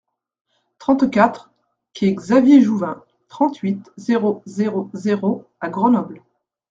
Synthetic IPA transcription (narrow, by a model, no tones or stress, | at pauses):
t̪χɑ̃t̪kʲat̪χ | kʲʰiɛɡzavjeʒuvɛ̃ | t̪χɑ̃t̪ɥit̪zeʁozeʁozeʁoaɡʁənɔbl